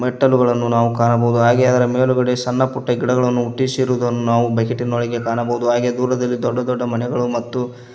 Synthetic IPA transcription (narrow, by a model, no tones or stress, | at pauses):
mɛʈːɐluɡɐɭɐnːunaːʋukaːɳɐbɐɦud̪uɦaːɡeɐd̪ɐɾɐmeːluɡɐɽe̞sɐnːɐpuʈːɐɡiɽɐɡɐɭɐnːuuʈːisiɾuːd̪ɐnːunaːʋubʱɐkeʈːinːoːɭiɡe̞kaːɳɐbɐud̪uɦaːɡed̪uːɾɐd̪ɐlːid̪ɔɖːɐd̪ɔɖːɐmɐnɛɡɐɭumɐt̪ːu